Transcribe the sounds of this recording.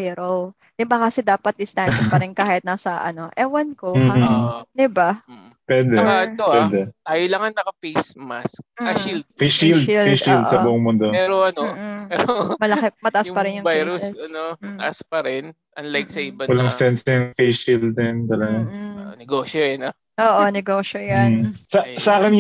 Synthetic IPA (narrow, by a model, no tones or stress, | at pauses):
jɾo | d̥̪ɪbakɐsɛd̪aːpɐt̪̚d̪ɪst̪anpɐɾɪnkaːhɪt̪̚nasɐʔɐ̰no̞ʔɛwɐnkoːd̪ɪba | pwɛd̪ɛɐt̪owɛd̪ɛt̪aːjolɐŋɐŋnɐkɐfejsmask̚ːɐʃild̪̚fejʃild̪fejʃild̪sɐbʊʔoŋmʊnd̪omɛɾoɐnoɛɾomɐlɐkɪmɐt̪ɐʔasspɐɾɪnjʊŋajɾusɐnoɐt̪ɐʔaspɐɾɛn | ʔɐnlajksɐɪbɐwɐlɐŋssɛnsɐŋfejʃild̪ɛnt̪ɐlɐɡanɛɡoːʃojɐnɐ | ʔoːʔonɛɡoːʃojansɐsɐaːkɪn